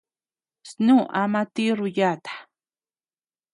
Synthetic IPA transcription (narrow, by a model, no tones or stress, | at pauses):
snuʔamat̪iɾʊjat̪ḁ